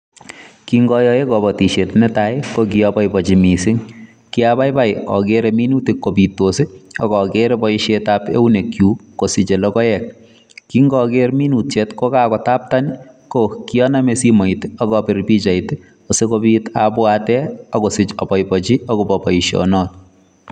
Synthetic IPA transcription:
kiŋɡɔjɔjekɔbɔtiʃetnɛtajkokiɔpɔjpɔt͡ʃimisɪŋ | kiabajpajɔ̰keɾeminutikkopitoseɔkɔkeɾebɔiʃetapḛunekjukosit͡ʃelɔkɔjɛk̚ | kiŋɡɔkeɾminutt͡ʃetkokakɔtap̚tankokiɔnamesimɔitɔkɔpɪrpit͡ʃait | osekobitapwatɛɔkosɪt͡ʃɔ̰pɔjpɔt͡ʃiɔkobɔpɔiʃɔ̰nɔt̚

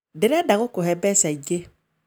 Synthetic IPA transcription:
deɾɛdaɡokohɛbɛsɛd͡ʒe

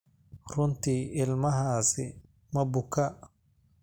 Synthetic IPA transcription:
rʊnt̪iːɪlmɐɦaːsɪ | mɐbʊkʰɐ

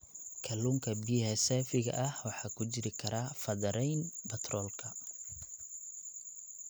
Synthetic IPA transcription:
kʰɐluːŋkʰɐbijɦɛsɛːfɪɣɐ̰ʔɐhwɑħɑːkʰʊt͡ʃɪɾɪkʰɐɾaːfɐðɐɾɛjnbɐt̪ʰrɔːlkʰɐ

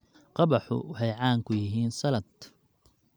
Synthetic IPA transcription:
qɑbɑħʊ̰wɑħɑjʕɑːŋkʰʊjɪɦiːnsɐlɐd̪

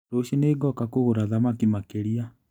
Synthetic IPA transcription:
ɾoʃeneːɡɔkakoɣoɾaðamakimakeɾia

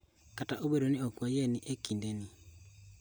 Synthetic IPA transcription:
kataʔobeɾoniokwajeniʔekindeni

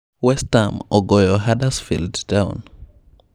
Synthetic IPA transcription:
wɛstamɔɡɔjɔɦadasfildtãʊ̃n

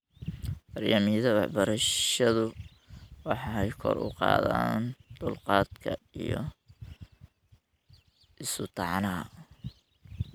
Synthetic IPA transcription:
mɐrjaːmiðɐwɑ̰ħbɐɾɐʃɐðʊ | wɑħɑɛjkʰɔ̰rʊ̰qɑ̰ːðaːnd̪̥ʊlqɑːd̪kʰɐijɔ̰ | ʔɪsʊt̪ʰɑʕnɐɦɐ

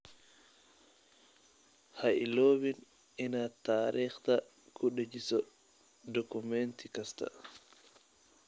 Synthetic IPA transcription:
haʔiloːbin | inataːɾʔiːxt̪a | kʰuɗed͡ʒisɔ | dɔkumentikasta̰

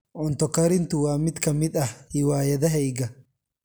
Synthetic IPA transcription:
ʔɔnt̪ɔkːɐɾɪnt̪ʊwaːmːɪt̪kɐmɪt̪ʼɐhɪwaːjɛd̪ɐɦɛjɡɐ

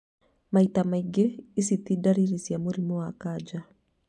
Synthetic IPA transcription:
mait̪amaiɡɛisit̪idaɾiɾisiamuɾimɔakad͡ʒa

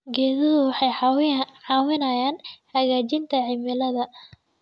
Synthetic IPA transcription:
ɡɛːðɐðʊwɑħɑjħɑːwɪnɐjaːnħɐɣaːt͡ʃɪnt̪ʰɐʕɪmɪlɐðɐ

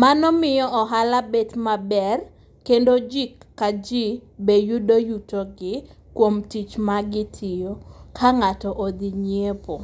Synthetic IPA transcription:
manɔmɪjɔɔɦalabetmabɛr | kendod͡ʒikːad͡ʒi | bejudojutoɡɪ | kwomtit͡ʃmaɡɪtʰɪjokʰaŋatɔʔod̪iɲiepo

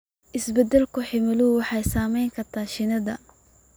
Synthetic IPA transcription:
ʔɪsbɛd̪ɛlkʰʊħɪmɪlʊwɑħɑjsaːmɛjŋkʰɐrt̪ʰaːʃɪnɐðɐ̰

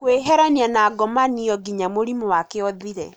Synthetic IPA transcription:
kweɦɛɾanianaːɡɔmaniɔɡiɲamoɾimɔwakeɔðiɾɛ

